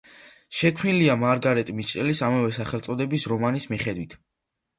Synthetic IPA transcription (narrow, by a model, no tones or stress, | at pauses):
ʃɛkʰniliamaɾɡaɾɛt̪ʼmit͡ʃ̪ʼɛlisamavɛsaχɛlt̪sʼɔd̪ɛbisɾɔmanismiχɛd̪wit̪ʰ